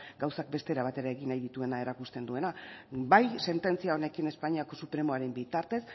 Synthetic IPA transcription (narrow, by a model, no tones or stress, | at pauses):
ɡawsak̚be̞st̪e̞ɾaβ̞at̪e̞ɾae̞ɣinajðit̪ue̞nae̞ɾakust̪e̞nd̪ue̞nabajse̞nt̪e̞nt͡siao̞ne̞kine̞spaɲiako̞supɾe̞mo̞aɾe̞mbit̪aɾt̪e̞s